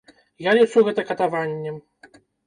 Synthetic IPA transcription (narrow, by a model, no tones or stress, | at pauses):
jalʲit͡ʂuɣɛt̪ɐkɐt̪avanʲːɛ